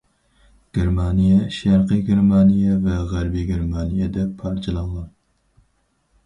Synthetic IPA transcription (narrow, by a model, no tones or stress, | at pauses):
ɡ̥ʲeɾmɑnijɛʃæɾqɨɡʲeɾmɑnijɛvɛʁæɾbiɡʲeɾmɑnijɛd̪ɛpʰːɑɾt͡ʃʰɨlˠɑŋlˠɑn